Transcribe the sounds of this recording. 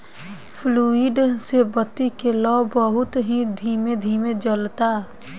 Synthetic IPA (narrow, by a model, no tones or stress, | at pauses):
pʰluːɪɖsebət̪ːikelɔbəɦʊt̪ɦid̪ʱiːmed̪ʱiːmed͡ʒəlt̪a